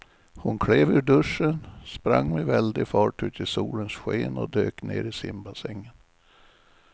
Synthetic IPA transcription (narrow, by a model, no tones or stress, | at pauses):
hʊnkʰleːvʉɖɵʂənspɾa̰ŋːmɛvɛld̪ɪfɑːʈʉ̟ːt̪ʰɪlsuːlənsɧeːnɔd̪øːkneːɾɪsɪmbasɛŋːən